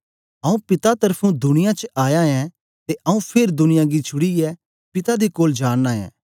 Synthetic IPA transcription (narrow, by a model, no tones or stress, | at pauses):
ɐũpɪt̪at̪ɐɾpʰũd̪ʊnɪjãt͡ʃəʔaːjãɛ̃ | t̪eʔɐũpʰeɾd̪ʊnɪjãɡit͡ʃʰʊɽiɛ | pɪt̪ad̪ikoːld͡ʒaːnːaːjɛ̰̃ː